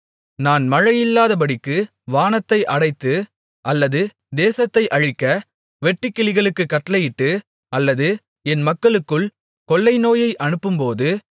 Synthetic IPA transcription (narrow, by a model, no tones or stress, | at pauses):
naːnmɐɻɐjɪlːaːðɐp̬ɐɽɪkːɯ | ʋaːnɐt̪ːɐɪʔɐɽɐɪt̪ːɯ | ʔɐlːɐðɯ | d̪eːsɐt̪ːɐɪʔɐɻɯkːɐ | ʋɛʈːɪkːɪlɪɣɐɭɯkːɯkːɐʈːɐlɐjɪʈːɯ | ɐlːɐðɯ | ɛnmɐkːɐɭɯkːɯɭ | kɔlːɐɪnoːjɐɪʔɐɳɯpːɯmpoːðɯ